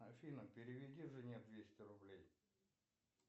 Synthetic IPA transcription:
ɐfʲinəmpʲɪɾʲɪvʲɪdʲiʐɨnʲet̪̚d̪vʲesʲtʲɪɾʊblʲej

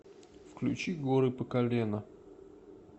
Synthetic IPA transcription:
fklʲʉ̰t͡ɕiɡoɾɨpəkɐlʲenə

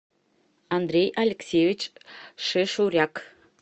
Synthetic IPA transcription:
ɑnd̪rʲejɐlʲeksʲevʲit͡ɕʃɘʃuɾʲɑk

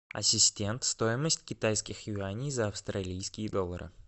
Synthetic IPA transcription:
ɐ̰sʲɪsʲtʲe̞nt̪st̪o̞jɪməsʲtʲkʲɪt̪ajskʲɪxjʊanʲɪjzəɐfst̪ɾɐlʲijskʲɪjəd̪o̞lˠːəɾɨ̰

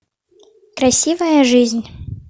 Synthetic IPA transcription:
kɾasʲivɐjɐʐɨzʲnʲ

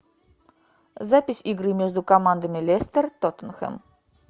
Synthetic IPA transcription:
zapʲɪsʲiɡɾɨmʲeʒd̪ukomand̪əmʲɪlʲest̪ərt̪ot̪ənxə̰m

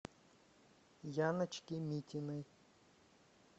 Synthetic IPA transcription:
janɐt͡ʃkʲimʲitʲɪnɨj

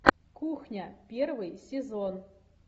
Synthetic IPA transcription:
kuxnʲapʲervɨjsʲezon

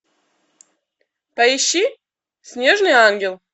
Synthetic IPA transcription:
paiɕːi | sʲnʲeʐnɨjanɡʲelˠ

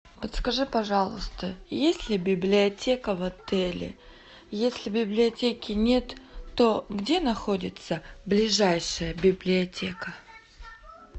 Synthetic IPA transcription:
pot̪skɐʐɨpɐʐɑlˠəst̪əjesʲlʲɪbʲɪblʲɪɐtʲekəvɐt̪ɛlʲɪ̰ | jesʲlʲɪbʲɪblʲɪɐtʲekʲɪnʲe̞t̪ːoɡdʲe̞nɐxodʲɪt̪səblʲɪʐajʂɨjəbʲɪblʲɪɐtʲekə

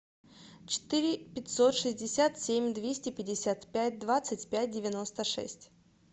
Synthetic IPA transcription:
t͡ɕɪ̥t̪ɨɾʲɪpʲɪtʲsot̪ʂɨzʲdʲɪsʲat̪sʲemʲd̪vʲesʲtʲɪpʲɪdʲɪsʲat̪pʲæt̚ʲd̪vat̪sɨtʲpʲæt̚ʲdʲɪvʲɪno̞st̪əʂɛ̰sʲtʲ

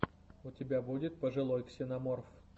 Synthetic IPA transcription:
ʊtʲɪbʲabudʲɪt̪̚pəʐɨlˠojksʲɪnɐmorf

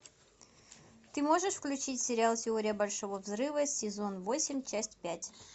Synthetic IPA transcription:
t̪ɨmo̞ʐɨʂfklʲʉt͡ɕitʲsʲɪɾʲɪalˠtʲɪoɾʲɪjəbɐlʲʂovovzɾɨvəsʲːɪzo̞nvo̞sʲɪmʲt͡ɕæsʲtʲpʲætʲ

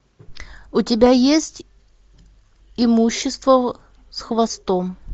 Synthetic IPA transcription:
ʊtʲɪbʲajesʲtʲ | ɪmuɕːɪst̪və | sxvɐst̪om

